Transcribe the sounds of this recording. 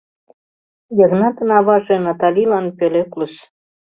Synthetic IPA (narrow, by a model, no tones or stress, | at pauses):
jɤ̆ɣnɑt̪ɤnɑβɑʒĕnɑt̪ɑlʲilɑnpelʲeklus